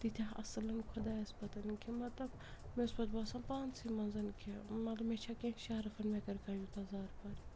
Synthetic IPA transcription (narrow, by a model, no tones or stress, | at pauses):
t̪it̪ʰʲaɐ̰slɐnkʰʊd̪aːɐspɐt̪ɐnkʰimɐt̪lɐb | mespɐt̪baːsãːpaːnt͡ssimɐnzɐnkʰemɐt̪lɐbmet͡ʃʰakẽʃaːɾɐfɐnmẽkɐɾkaːjut̪ɐzaːɾpaːɾi